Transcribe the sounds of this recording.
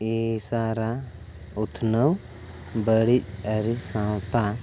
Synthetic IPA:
isaɾa | ut̪ʰnəw | bəɽic̚aɾisãwt̪a

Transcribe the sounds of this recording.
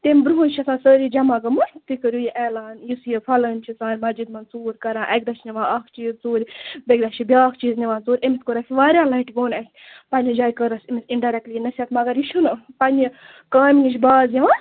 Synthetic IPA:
t̪emʲbɾuɦunt͡ʃʰɐsãːsəːɾid͡ʒɐmaːɡɐmut̪ikəɾʲjujiʔɛːlaːnjisjifʰɐlɐnʲt͡ʃʰit͡saːnʲmɐd͡ʒid̪mɐnt͡suːɾʲkɐɾãːʔɐɡ̚ʲd̪ɐʃʰniʋãːaːkʰt͡ʃiːzt͡soːɾʲbʲeɡd̪aʃt͡ʃʰibʲaːkʰt͡ʃiːzniʋãːnzoːɾʲemit̪ʲkoɾɐkʲʰiʋaːɾʲaːnlɐiʈɡoːnɐkʰʲ | pɐnʲid͡ʒaːjkəɾɐsimisiɳɖaɾɛk̚ʈlijnɐsʲat̪mɐɡɐɾjiʃʰunɨpɐnʲi | kaːminiʃʰʲbaːzjiʋãː

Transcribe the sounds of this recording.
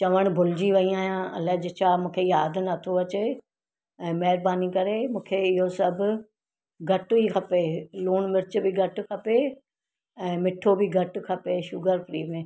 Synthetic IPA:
t͡ɕɐʋəɽ̃bʱʊlɪd͡ʑiʋɐiaːɦijãʔɐ̰lɐd͡ʑɪt͡ɕʰaːmũːkʰejaːd̪ʱʊnɐt̪ʰoʋɐt͡ɕe | ɛ̃ːmɐɦɪɾbaːnikɐɾemũːkʰeɪɦosɐbʱʊ | ɡʱɐʈʊikʰɐpeluːɽ̃mɪɾɪt͡ɕ̆bɪɡʱɐʈʊ̆kʰɐpe | ɛ̃ːmɪʈʰobɪɡʱɐʈʊ̆kʰɐpeʃʊɡəɾfɾḭːmẽː

